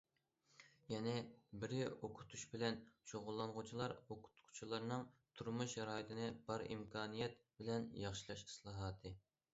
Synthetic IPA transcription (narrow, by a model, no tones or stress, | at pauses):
jɛnɛbɪɾɪoqʰʊ̥t̪ʰuʃbɪlɛnʃoʁʊlˠːɑnʁʊt͡ʃʰilˠɑɾoqʰʊ̥t̪qʰu̥t͡ʃʰilˠɑɾnɨŋt̪ʰuɾmuʃɑɾɑːjit̪ʰɪnɪb̥ɑɾḭmkʰɑːnijɛt̪̚bɪlɛnjɑχʃilˠɑʃi̥slˠɑːɦɑːt̪ʰɨ